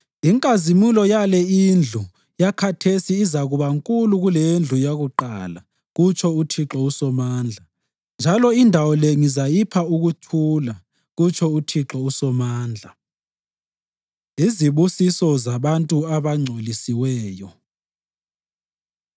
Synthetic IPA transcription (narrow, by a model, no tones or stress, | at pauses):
iŋkʼazimulɔjalɛind͡ɮʱu | jakʰatʰesiːzaɣuβaŋkʼuluɣulend͡ɮʱujaɣuǃa̰ːla | ɣut͡ʃʰɔutʰiǁɔusɔmaːnd͡ɮʱa | nd͡ʒʱalɔindʱawɔlɛŋizajipʰauɣutʰula | ɣut͡ʃʰɔutʰiǁɔusɔmaːnd͡ɮʱa | iziβusisɔzaβantʼuaβaŋ͡ǀʱolisiwɛːjɔ